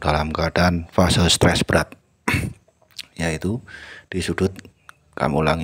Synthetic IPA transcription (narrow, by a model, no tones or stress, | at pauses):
d̥alamkad̥anfasəlst̪ɾɛsb̥ɾat̪̚ | jait̪ud̥isudʊt̪̚ | ka̰mulaŋ